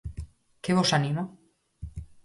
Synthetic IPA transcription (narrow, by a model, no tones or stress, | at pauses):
keβosanimo